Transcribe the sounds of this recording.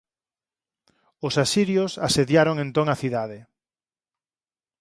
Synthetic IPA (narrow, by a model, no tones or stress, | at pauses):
ʊsasiɾjosaseðjaɾoŋẽnt̪oŋaθiðaðɪ